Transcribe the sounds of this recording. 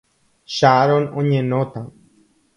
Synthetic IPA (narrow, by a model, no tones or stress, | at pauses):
ʃaɾonõɲẽnõt̪ã